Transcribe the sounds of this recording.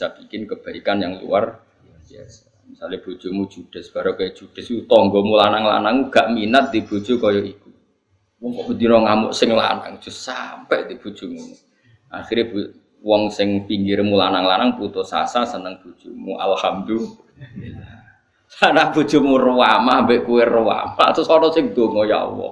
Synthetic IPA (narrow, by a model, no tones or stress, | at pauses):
isab̥i̥kɪnkəb̥a̤ikanjaŋlṵwar | misaleb̥o̤d̥ʒ̥o̤mud̥ʒ̥ud̥ə̤sb̥a̤ɾokaid̥ʒ̥ṳd̥a̤sut̪ɔŋɡɔmulanaŋla̰naŋuɡ̥aʔminat̪̚d̪̥i̤b̥o̤d̥ʒ̥o̤kɔjɔʔiku | wɔŋkɔʔməd̪inɔŋamʊ̰ʔsɪŋla̰na̰ŋd̥ʒ̥ʊ̤sampɛʔd̪̥ib̥o̤d̥ʒ̥o̤mu | ʔaxiɾib̥u | wɔŋsɪŋpiŋɡɪɾmulanaŋlanaŋput̪ʊsa̰sasənaŋb̥o̤d̥ʒ̥umuʔa̰lhamd̪u | ila | lanaŋb̥ṳd̥ʒ̥ṳmurwamambɪʔkuwerwa̰ma̰sɔnɔsɪŋd̪̥oŋɔja̰wɔ̰